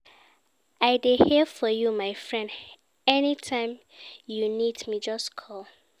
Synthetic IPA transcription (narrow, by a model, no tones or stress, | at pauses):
aɪdehɛfɔjumaɪfɹɛ̃nd | ɛnitʰãɪ̃m | junidmid͡ʒʌskʰɔl